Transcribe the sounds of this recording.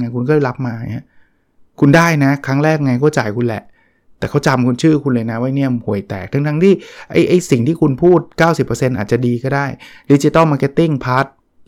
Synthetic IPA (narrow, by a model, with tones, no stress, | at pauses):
ŋa˧jkʰu˧nk̬ɔ˥˩ɛ˥˩la˦˥p̚maː˧na˦˥ | kʰu˧ndaː˥˩jna˦˥kʰɾa˦˥ŋɾɛː˥˩k̚ŋa˧jkɔː˥˩t͡ɕa̰ː˨˩jkʰu˧nlɛ̰˨˩ʔ | t̪ɛː˨˩kʰa˦˥wt͡ɕa˧mkʰu˧nt͡ɕʰɯː˥˩kʰu˧nlɤː˧jna˦˥wa˦˥˩jni˦˥˩əmhu˨˩˦jt̪ɛ̰ː˨˩k̚t̪ʰŋt̪ʰa˦˥ŋt̪ʰiː˥˩ʔa̰˦˥˩jʔa˥˩jsi˨˩ŋt̪ʰiː˥˩kʰu˧npʰuː˥˩t̪̚kaː˥˩wsi˨˩pːəː˧se˧nʔa̰ː˨˩t͡ɕa˨˩diː˧kɔː˥˩daː˥˩j | di˦˥t͡ɕi˧˦t̪a˥˩wma˧ke˧˥t̪ːi˥˩ŋpʰa˦˥t̪̚